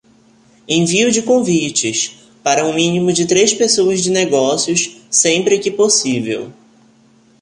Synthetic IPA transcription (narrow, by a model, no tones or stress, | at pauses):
ẽviʊd͡ʒɪkõvit͡ʃɪs | paɾɐũmĩnĩmʊd͡ʒɪt̪ɾespesowɐzd͡ʒɪneɡɔsiʊssẽmpɾɪkɪposivḛw